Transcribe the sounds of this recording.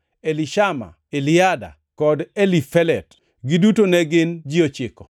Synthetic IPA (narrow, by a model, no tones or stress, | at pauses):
elɪʃama̰ | elɪada̰ | kɔdelifɛlɛt | ɡɪdutonɛɡɪnd͡ʒiot͡ʃɪkɔ